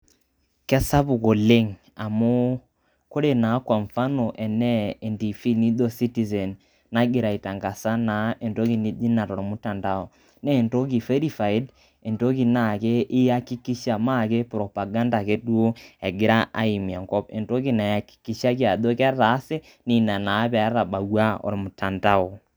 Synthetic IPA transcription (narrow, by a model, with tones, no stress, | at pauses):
kɛ˦sa˦bu˨ko˨le˦ŋ | a˨mʊ˦ | ko˦ɾe˨na˨˦kwa˨ɱfa˦no˨ʔɛ˨nɛ˦ɛ˨ndi˨fi˦ni˦do˨si˦ti˦˨sɛ˨n | na˦ɡɪ˨ɾa˨i˨ta˨ŋɡa˨sa˦na˨˦e˨ndo˦ki˨ni˦d͡ʒi˦na˨ɾɔ˨ɾɔ˨mu˦ta˨nda˦ɔ˨ | nɛ˦˨nto˦k̬i˨fe˦ɾi˨fa˨ɪ˦d | e˨nto˦ki˨na˨ke˦ʔɪ˦a˦ki˦ki˦ʃa˨ma˦˨ke˦pɾɔ˨pa˨ɡa˦nda˨ke˦dwo˦ɛ˨ɡɪ˦ɾa˦ʔa̰˦i˨mja˨ŋɡɔ˦pḛ˨ndo˦ki˦˨na˨a˨ki̥˨ki˨˦ʃa˦kja˨do˦kɛ˦ɾaː˨˦se˦ | ni˨na˨na˨˦pa˨˦ɾa˨ɓa˨wa˦ɔ̰˨ɾmʊ˨ta˨nda˦ɔ˨